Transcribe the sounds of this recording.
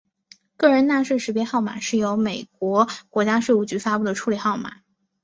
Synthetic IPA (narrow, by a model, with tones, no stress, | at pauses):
kɤ˥˩ɻə˧˥nna˥˧ʂe˥˩ʂɻ̩˧˥pjɛ˥xɑ˥˩ʊma̰˨˩˦ʂɻ̩˥˩jo˧˥ʊme˨˩ɪk̚wɔ˧˥kwɔ˧˥t͡ɕja˥ʂwe˥˧u˥˩t͡ɕy˧˥fa˥pu˥˩d̪ə˩ʈ͡ʂʰu˥lɛ˨˩xɑ˥˩ʊma̰˨˩˦